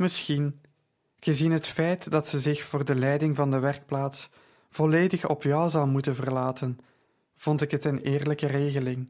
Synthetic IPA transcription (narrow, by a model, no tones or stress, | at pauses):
mɪsxin | ɣəzinɦətfɛjtdɑtsəzɪxfoːrdəlɛjdɪŋvɑndəʋɛrk̚plaːts | v̥ɔleːdəxɔ̰pjɔwzɑlˠmutənvərlaːtən | v̥ɔntɪkɦətənɪːrləkəreːɣəlɪŋ